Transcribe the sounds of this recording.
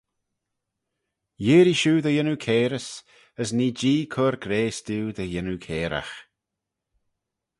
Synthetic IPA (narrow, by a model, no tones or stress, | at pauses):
jɪːɾiʃuːd̪əjɪnukʰeːɾəs | əsniːd͡ʒiːkʰoːɾɡɾeːst̪uːwd̪əjɪnukʰeːɾʔa̰x